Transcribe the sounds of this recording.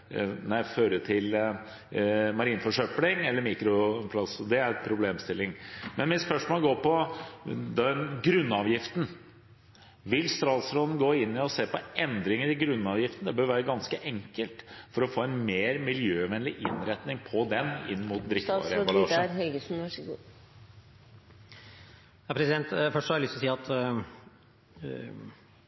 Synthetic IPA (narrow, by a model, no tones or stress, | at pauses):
næɪføːɾət̪ʰɪl | mɑɾiːnfɔʂœplɪŋɛlːəɾmiːkɾʊpʰlɑsɔd̪ɛæɾpʰɾʊbleːmst̪ɪlːɪŋmɛnʋɪsfœʂʈmoːlɡoːpɔ | d̪ɛnɡɾʉnːɑːʋjɪft̪n̩ | ʋɪlst̪ɾɑːd̪sɾɔnən̩ɡoːɪnːɪɔseːpɔʔɛnd̪ɾɪŋəɾɪɡɾʉnːɑːʋjɪft̪ən̩d̪ɛbøːɾʋæːɾəɡɑnskəʔɛŋkəlt̪fɔɾɔfoːɛnmeːɾmɪljøːʋɛnlɪʔɪ̰nɾɛt̪nɪŋpʰɔd̪ɛnɪnːmuːt̪̚d̪ɾɪft̪bɑ̰ɾəbɑlɑːɾhɛlɡəsn̩ʂ | jɑpʰɾɛsɪd̪ɛnt̪fœʂəhɑɾjlʏst̪ɔsiːɑt̪